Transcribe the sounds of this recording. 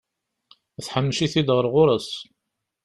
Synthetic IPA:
θħəmːʃiθid̪ʁəɾʁʊɾˤəs

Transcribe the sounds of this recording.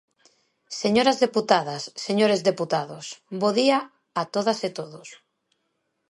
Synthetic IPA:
seɲoɾazðeput̪aðasːeɲoɾezðeput̪aðosboðia | at̪oðaset̪oðos

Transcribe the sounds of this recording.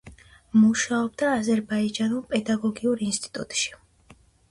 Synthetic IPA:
muʃaɔb̚d̪aːzɛɾbaid͡ʒanulˠpʼɛd̪aɡɔɡiuɾinst̪ʼi̥t̪ʼṵt̪ʼʃi̥

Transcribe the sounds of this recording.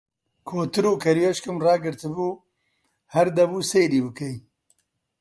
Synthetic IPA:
kʰoːt̪ɨɾuːkʰɐɾweʃkɨmrɑːɡɨɾt̪ɨbuː | hɐɾd̪ɐbuːsejɾiːbɨkej

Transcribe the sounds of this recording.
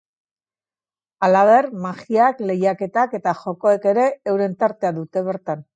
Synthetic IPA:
alaβ̞e̞rmaɣiakle̞jake̞t̪ake̞t̪aʝo̞ko̞eke̞ɾe̞ːwɾe̞nt̪aɾt̪e̞aðut̪e̞β̞e̞ɾt̪an

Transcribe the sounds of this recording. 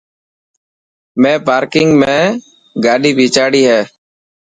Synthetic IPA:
mẽːpaːɾkɪŋɡmẽː | ɡaːɗiːbʱiːt͡ʃaːɽiːɦɛː

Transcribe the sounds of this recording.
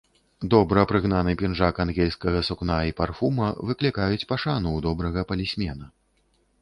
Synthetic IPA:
d̪ɔbɾɐpɾɨɣnanɨpʲinʐakanɣʲɛlʲskɐɣɐsuknaiparfumɐvɨklʲikajut͡sʲpaʂanuwd̪ɔbɾɐɣɐpɐlʲisʲmʲɛnɐ

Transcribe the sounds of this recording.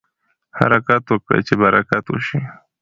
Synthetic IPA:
ha̰ɾakat̪wəkɽḛt͡ʃebaɾakat̪wṵʃi

